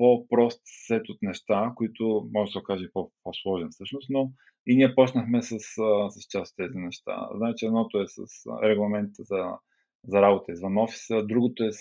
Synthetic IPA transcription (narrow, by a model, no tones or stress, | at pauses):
popɾɔst̪sɛt̪ot̪nɛʃt̪akoit̪ʊmɔʒɛsɐokaʒəipoposlˠɔʒɛnfsɤʃnʊst̪no | iniɛpɔt͡ʃnəxmɛsəssɐst͡ʃasot̪ːɛzinɛʃt̪a̰znaɛt͡ʃɛd̪nɔt̪oɛsə̰sɾɛɡlˠɐmɛnt̪əzɐ | zɐɾabot̪əizvɐnɔfi̥səd̪ɾuɡot̪oɛ